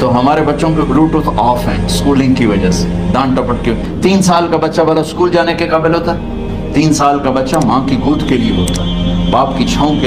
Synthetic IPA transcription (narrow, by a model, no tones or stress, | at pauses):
t̪oɦɐmaːɾebɐtːʃõkebluːʈot̪ʰɔːfɦɛːskuːlɪ̃ŋɡkiʋɐd͡ʒase̥ | d̪ãːnʈɐpəʈki | t̪iːnsaːlkabɐtːʃabɐɽaskuːld͡ʒaːnekekɐbəlɦoːt̪aɦɛ | t̪iːnsaːlkabɐtːʃamãːkiɡuːd̪kelieɦo̰ːt̪aɦɛbaːp̚kit͡ʃʰaːõke